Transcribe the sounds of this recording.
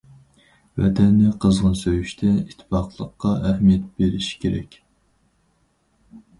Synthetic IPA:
vɛ̰t̪ʰɛnːɪqʰəzʁənsøjyʃt̪ʰɛit̪ʰːɪ̥fɑqlˠəqːɑæhmijɛt̪̚b̥eɾɪʃi̥kʲʰeɾɛ̰kʲ

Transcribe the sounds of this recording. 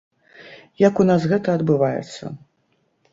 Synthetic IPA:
jɐkunasɣɛt̪ɐɐd̪bɨvajɛ̰t̪sːɐ̰

